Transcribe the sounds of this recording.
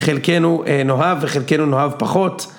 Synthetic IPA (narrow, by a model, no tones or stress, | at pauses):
χelkenuʔeno̞ɦavːeχelke̞nuno̞ɦavpaχo̞t